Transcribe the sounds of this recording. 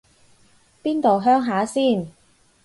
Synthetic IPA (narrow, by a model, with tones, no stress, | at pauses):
piː˥nt̪o˨wɦœː˥ŋɦaː˨˥siː˥˩n